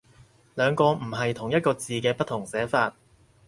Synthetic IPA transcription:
lœː˨˧ŋkɔː˧m̩˨˩ɦɐ˨jt̪ʰʊ˨˩ŋjɐ˥t̚kɔː˧t͡siː˨kɛː˧pɐ˥t̪ʰːʊ˨˩ŋsɛː˨˥faː˧t̚

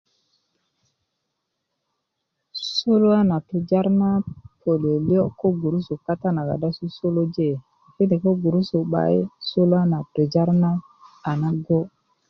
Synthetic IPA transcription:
so˦lo˦a˦na˨tu˨d͡ʒa˦ɾna˦pʰo˨le˨li˦o˦ko˦ɡu˨ɾu˦su˨ka˦ta˦na˨ɡa̰˨da˦su˦so˦lo˦d͡ʒe˦˨ | ki˦de˨ko˦ɡu˨ɾu˦su˨ɓa̰˨i˦so˦lo˦a˦na˨tu˨d͡ʒa˦ɾna˦ | a˨na˦ɡo˦

